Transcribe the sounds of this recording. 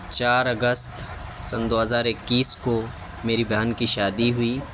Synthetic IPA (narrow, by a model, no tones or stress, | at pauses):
t͡ʃaːɾɐɡəst̪ | sɐnd̪oːɦəzaːɾɪkːiːsko | meːɾibʱjaːnkiʃaːd̪iɦʊiː